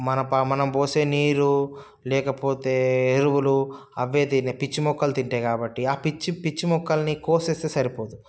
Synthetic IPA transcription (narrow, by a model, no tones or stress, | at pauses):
mɐnɐpɐmɐnɐmboːse̞ːniːɾu | lɛːkɐpoːt̪e̞ːeɾuwulu | ɐʋːe̞ːd̪inepit͡ʃːimɔkːɐlt̪iɳʈeːkaːbɐʈːiaːpit͡ʃːipit͡ʃːimɔkːɐlɐnikoːseːst̪eːsɐɾipoːd̪u